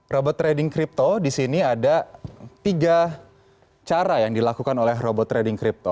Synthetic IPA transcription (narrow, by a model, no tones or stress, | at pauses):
robɔt̪ːɾedɪŋkɾip̚t̪odisiniadat̪iɡa | t͡ʃaɾajaŋdilakukanolɛɦrobɔt̪ːɾedɪŋkɾip̚t̪o